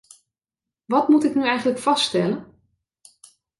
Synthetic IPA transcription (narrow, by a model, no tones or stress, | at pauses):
ʋɑtmutɪknyɛjχənləkfɑsstɛlən